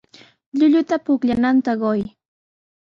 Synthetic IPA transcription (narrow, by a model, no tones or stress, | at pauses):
ʎʊʎʊt̪apʊkʎanant̪aɢoj